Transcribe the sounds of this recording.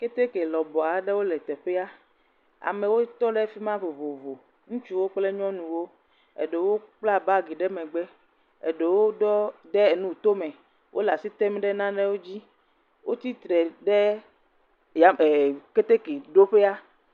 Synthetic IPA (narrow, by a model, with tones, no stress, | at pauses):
ke˦t̪e˦ke˨lɔ˨bɔ˨a˨ɖe˦wo˦lɛ˨t̪ɛ˨ɸe˦a˦ | a̰˨mẽ˨wo˦t̪ɔ˦ɖɛ˦fi˦mã˦vo˨vo˨vo˨ | ŋũ˦t͡ʃu˦wo˦k͡ple˦ɲɔ̃˦nũ˨wo˦ | ḛ˨ɖe˨wo˦k͡pla˦ba˦ɡi˨ɖɛ˦mẽ˨ɡ͡bɛ˦ | ḛ˨ɖe˨wo˦dɔ˦dɛ˦e˨nũ˦˨t̪o˦mɛ̃˨ | wʔo˦la˨si˦t̪ɛ˦mĩ˦ɖɛ˦nã˦ɖɛ˦wo˦d͡ʑi˦ | wʔo˦t̪i˦t̪ɾɛ˨ɖe˦ | ja˨ke˦t̪e˦ke˨ɖo˦ɸe˦a˦